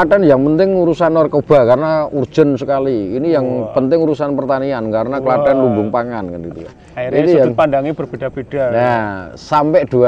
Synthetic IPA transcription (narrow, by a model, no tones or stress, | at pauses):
aɖanjaŋpənt̪ɪŋuɾusanɔrkəb̥a̤karənaurd͡ʒ̥ə̤nsəkaliːnijaŋpənt̪ɪŋuɾusanpərt̪aniankaɾənakəladanlumbʊŋpaŋankanɡit̪uka̰ | it̪japandaŋib̥ərb̥edapid̥ajasampɛʔd̪̥ua